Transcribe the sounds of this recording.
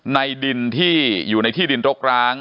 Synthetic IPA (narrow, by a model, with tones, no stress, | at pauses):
na˧jdi˧nt̪ʰiː˥˩juː˨˩na˧jt̪ʰiː˥˩di˧nɾo˦˥k̚ɾaː˦˥ŋ